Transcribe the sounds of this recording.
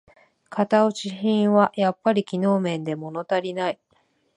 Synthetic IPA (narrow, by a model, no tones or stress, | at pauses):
kʰat̪aoɕiçĩɰ̃βajapːaɾʲikʲino̞ːmẽ̞nd̪e̞mo̞no̞t̪aɾʲinai